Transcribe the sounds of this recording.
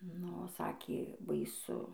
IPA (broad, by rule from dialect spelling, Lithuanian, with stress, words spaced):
ˈnʊ ˈsɑːkʲeː bɐɪˈsʊ